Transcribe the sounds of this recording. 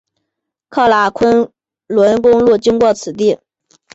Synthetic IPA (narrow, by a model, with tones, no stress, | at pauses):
kʰɑ˥˩la˧˥kʰə˥n | lwə˧˥nkʊ˥ŋlu˥˩t͡ɕi˥ŋkwɔ˥˩t͡sʰɹ̩˨˩t̪i˥˩